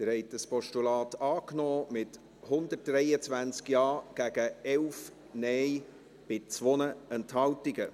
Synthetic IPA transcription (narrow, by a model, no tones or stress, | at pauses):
d̥əɾhɛɪtəspɔʃtulɑːtɑːknɔːmɪt | hʊndət̚d̥rɛjət͡sʋænt͡skjɑːɡ̥æɡ̥əɛlf | nɛj | b̥ɪt͡sʋɔnəɛnthɑltiɡə